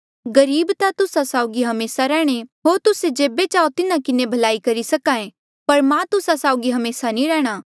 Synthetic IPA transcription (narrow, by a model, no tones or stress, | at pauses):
ɡɐɾiːbt̪at̪ʊsasaːʊɡiɦɐmeːsaɾɛːɽ̃eɦoːɾt̪ʊsed͡ʒeːbet͡ʃaːot̪ɪnakɪnebʱɐlaːikɐɾisɐkãːẽ | pɐɾmãt̪ʊsasaːʊɡiɦɐmeːsanĩɾɛːɽ̃aː